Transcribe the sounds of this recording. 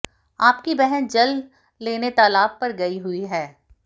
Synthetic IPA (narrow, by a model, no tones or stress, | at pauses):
aːpkibɛɦɛnd͡ʒɐlː | eːnet̪aːlaːb̚pɐɾɡɐiɦʊiɦɛː